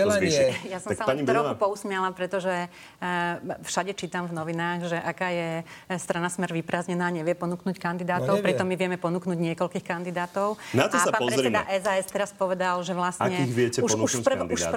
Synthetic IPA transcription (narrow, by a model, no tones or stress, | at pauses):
ɛliɛjasɔ̃aksapaɲibɛaɾɔpɔusmɪɛlapɾɛt̪ɔʒɛ | fʃaɟɛt͡ʃiːt̪amvnɔʋinaːɣʒɛʔakaːjɛst̪ɾanasmɛɾʋipɾaːzɲɛnaːɲɛʋɪɛpɔnuknuːckand̪id̪aːtt̪ɔʊpɾit̪ɔmːiʋɪɛmɛpɔnuːknuɟɲɪɛkɔlkiːxkand̪id̪aːt̪ɔʊnat̪ɔssapapɔɾzɛɾiɛd̪a̰ʔɛzaɛst̪ɛɾaspɔʋɛd̪alʒɛʋlasɲɛkiiɣʋɪɛcɛpuʃnuʃuːad̪iud̪a̰